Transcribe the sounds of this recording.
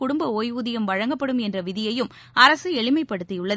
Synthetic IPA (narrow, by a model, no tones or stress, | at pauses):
ʊɽʊmbɐoːjuːðɪjɐmʋɐɻɐŋɡɐpːɐɽɯmɛndrɐʋɪðɪjɐjɯm | ɐɾɐsɯɛɭɪmɐɪpːɐɽɯt̪ːɪjʊɭːɐð